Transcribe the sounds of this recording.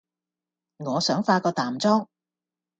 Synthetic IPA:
ŋɔː˨˧sœː˨˥ŋfaː˧kɔː˧t̪aː˨mt͡sɔː˥ŋ

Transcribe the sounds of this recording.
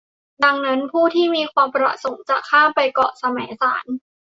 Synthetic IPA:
da˧ŋna˦˥npʰuː˥˩t̪ʰiː˥˩miː˧kʰwaː˧mpɾa̰˨˩so˩˦ŋt͡ɕaː˨˩kʰːaː˥˩pa˧jkɔ˨˩sa˧mɛː˩˦jsa̰ː˩˦n

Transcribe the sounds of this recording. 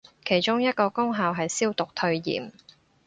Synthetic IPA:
kʰe˨˩jt͡ʃʊ˥ŋjɐ˥t̚kɔː˧kʊ˥ŋɦaː˨˧wɦɐ˨jsiː˥wt̪ʊ˨k̚t̪ʰɵ˧ɥjḭː˨˩m

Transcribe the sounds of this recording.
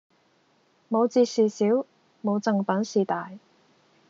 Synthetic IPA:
mo˨˧wt͡siː˧siː˨siː˨˥w | mo˨˧wt͡sɐ˨˧ŋpɐ˨˥nsiː˨t̪aː˨j

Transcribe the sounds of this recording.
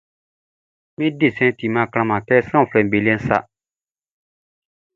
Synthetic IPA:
mɪ̃˦di˦˨sɛ̃˦tʰi˨mã˦˨kɾ̃ã˦mã˨kɛ˦sã˦˨fɾɛ˨m̩˨be˨li˦ɛ̃˦n̩˦sa̰˦

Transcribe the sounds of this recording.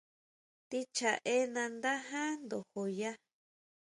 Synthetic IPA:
t̪i˦t͡ʃa˨ʔe˦nã˧nd̪a˦ɦã˦nd̪o˨ho˨ja˦

